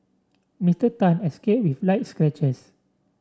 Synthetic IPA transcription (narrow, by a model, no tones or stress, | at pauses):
mistətãnɛskep̚wiflajt̚skɹɛt͡ʃəs